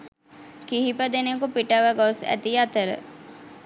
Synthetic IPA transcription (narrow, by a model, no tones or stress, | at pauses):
kiɦipəd̪enekupiʈəʋəɡosæ̰t̪iat̪əɾə̰